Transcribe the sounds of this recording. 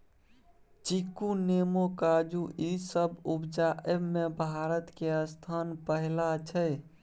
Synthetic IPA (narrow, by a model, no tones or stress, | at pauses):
t͡ʃikunemokad͡ʒuʔisəbupd͡ʒaʔemebʱaɾət̪keəst̪ʰanpəɦɪlat͡ʃʰə